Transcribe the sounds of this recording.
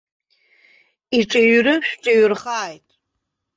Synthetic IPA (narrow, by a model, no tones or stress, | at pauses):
iʈ͡ʂʼɐɥrɨʃʷᶣʈ͡ʂʼɐɥrχaːjtʼ